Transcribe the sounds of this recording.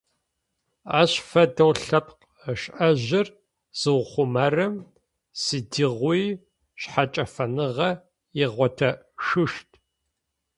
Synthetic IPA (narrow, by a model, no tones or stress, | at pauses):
a̰ːɕfɐdɐwɬɐpq | əʃʔɐʑɪr | z̥ɨwχʷʊmɐrɐm | sɨdiʁʷij | ɕħat͡ʃʼɐfɐnɨʁɐ | jɪʁʷɔtʰɐ | ʂɨʃtʰ